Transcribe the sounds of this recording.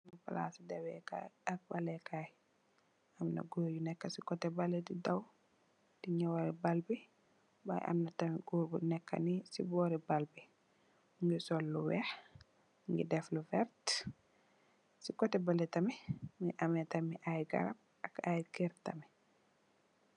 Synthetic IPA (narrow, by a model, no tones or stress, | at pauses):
mpa̰la̰sidawɛka̰jak̚balɛkaj | ʔamna̰ɡoːjunɛkːasikɔtɛbalɛdidaw | d̥iɲawaɾɛbalbi | ba̰jʔa̰mnatamiɡoɾbunɛkːa̰nisibɔɾibalbi | ŋɡɛsɔlːuwɛh | ŋɡḭdɛflufɛɾt | sikɔtɛbalɛtamɛmiʔamɛtamiʔajɡa̰ɾab̚ | akajkɛɾtamɛ